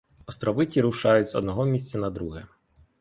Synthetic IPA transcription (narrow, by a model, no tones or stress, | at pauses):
ɔst̪ɾɔʋɪtʲiɾuʃɑjʊt͡sʲɔ̰d̪nɔɦɔmʲisʲt͡sʲɐnɐd̪ɾuɦɛ